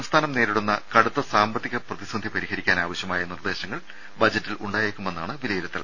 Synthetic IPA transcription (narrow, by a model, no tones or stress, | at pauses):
ɐmst̪ʰaːnɐmneːɾiɽunːɐkɐɽut̪ːɐsaːmbɐt̪ːiɣɐprɐðisɐnd̪ʱipɐɾihɐɾikʲːaːnaːʋɐɕjɐmaːjɐnird̪e̞ːɕɐŋːɐɭ | bɐd͡ʑɐtːiluɳɖaːjekːume̞nːaːɳɨʋilɐjiɾɐt̪ːḭl